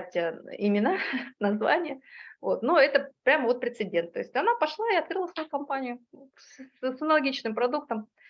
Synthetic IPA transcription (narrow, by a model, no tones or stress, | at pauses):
tʲəɪmʲɪnanɐzva̰nʲɪjəvo̞t̪noɛt̪əpɾʲaməvo̞t̪̚pɾʲɪt̪sɨdʲe̞nt̪ːo̞ɪsʲtʲɐnapɐʂlˠaɪɐt̪kɾɨlˠəsvɐjukɐmpanʲɪjʊ | ssɐnəlˠɐɡʲit͡ɕnɨmpɾɐd̪uk̚t̪əm